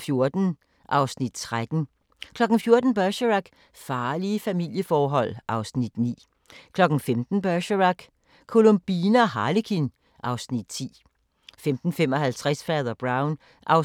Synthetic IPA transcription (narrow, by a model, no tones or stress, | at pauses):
fjo̝ɐd̥n̩ | ʔɑ̈ʊsnid̥̚t͡sʰʁad̥n̩ | kʰlɒ̽ɡ̥n̩fjo̝ɐd̥n̩b̥ɶɕəʁɑɡ̥ | fɑ̈ːliəfæmil̰jəfɒːɦɒ̽l̰ʔɑ̈ʊsnid̥nḭː | kʰlɒ̽ɡ̥n̩femd̥n̩b̥ɶɕəʁɑ̈ɡ̥ | kʰo̝lo̝mb̥iːnəɒɦɑ̈likʰin | ʔɑ̈ʊsnid̥t͡sʰḭː | femd̥n̩femɒ̽hælt͡sʰʁasfɛːðˠɐb̥ʁɑ̈ʊn | ʔɑʊ